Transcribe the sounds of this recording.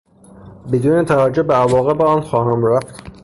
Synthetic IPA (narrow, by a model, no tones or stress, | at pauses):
bed̪uːnet̪ʰævæd͡ʒːohbeævɒːɣe̞beɒːnxɒːɦæmɾæft̪